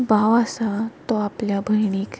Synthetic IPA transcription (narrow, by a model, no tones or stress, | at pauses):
baʋasat̪ɔapljabʱəjɳ̃iːk